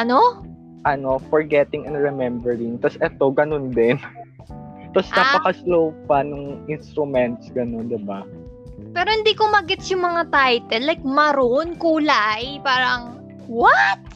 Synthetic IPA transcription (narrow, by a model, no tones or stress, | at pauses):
ʔɐno̞ | ʔɐno̞fɔɹɡɛt̪ɪŋɐ̃nɹɛmɛmbɛɹɪŋt̪ɐsʔɛt̪o̞ɡɐnond̪ɛn | t̪ɐsnapɐkɐslowpanʊŋʔɪnst̪ɾʊmɛnt̪sɡɐno̞nd̪ɪba | pɛːɾohɪnd̪ikʊmɐɡɪt̪sjʊŋmɐŋat̪ajt̪ɛlːajk̚mɐɾonkuːlajpaːɾɐŋ | wat̪̚